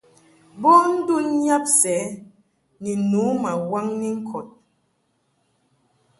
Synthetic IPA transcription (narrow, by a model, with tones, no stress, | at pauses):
bɔ˦n̩˦du˦nɲa˦p̚sɛ˨˦ | ni˨nu˨˦ma˨wa˦ŋni˦ŋ̩˦kʰɔ˨t̚